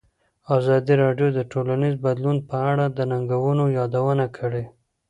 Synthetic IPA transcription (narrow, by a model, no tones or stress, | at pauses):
ɑzɑd̪iɾɑɖjod̪əʈolanizbad̪lunpəaɽad̪ənaŋɡawənojɑd̪awənakʰəɽe